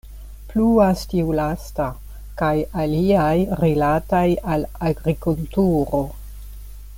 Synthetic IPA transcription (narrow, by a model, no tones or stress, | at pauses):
pluastiulasta | kajaliajɾilatajalaɡɾikultuɾo